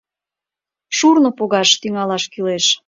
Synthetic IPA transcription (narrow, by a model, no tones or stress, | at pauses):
ʃurnŏpoɣɑʃt̪yŋɑlɑʃkileʃ